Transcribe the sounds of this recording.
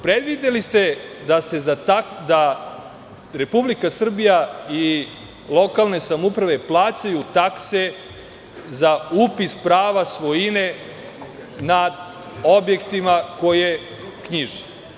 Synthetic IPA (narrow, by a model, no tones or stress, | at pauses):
pɾed̪ʋid̪elist̪e̞d̪ase̞zat̪akd̪a | ɾe̞publikasr̩bijai | lˠo̞kalˠne̞samupɾaʋe̞plˠaːt͡ɕajut̪akse̞ | zaupispɾaːʋasʋojine | nad̪ | o̞bje̞kt̪imako̞je | kɲiʒe